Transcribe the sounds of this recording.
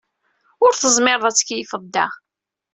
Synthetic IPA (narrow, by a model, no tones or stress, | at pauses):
ʊɾθəzˤmɪɾˤðˤæt͡sːə̥kjifəd̪ːæ